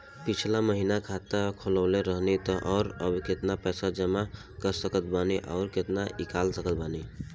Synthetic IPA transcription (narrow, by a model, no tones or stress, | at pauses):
pit͡ʃʰlaməɦinakʰat̪əkʰoləʊleɾəɦnit̪ɔʔɔːɾəbʱket̪napɛsad͡ʒəma | kəɾsəkət̪baniʔɔʊɾket̪naʔikalsəkət̪̚bani